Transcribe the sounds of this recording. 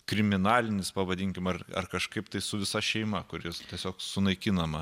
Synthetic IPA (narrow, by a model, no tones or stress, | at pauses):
kɾʲɪmʲɪnɑːlʲɪnʲɪspɐʋɐd̪ʲiŋʲkʲɪmɐrɐ̰rkɐʃkɐɪpt̪ɐɪsʊʋʲɪsɐʃʲɛɪmɐkʊɾʲjɪst̪ʲiɛsʲoːksʊnɐɪkʲinɐmɐ